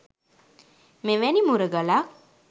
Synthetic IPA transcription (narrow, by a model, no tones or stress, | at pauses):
meʋɛnimuɾəɡalak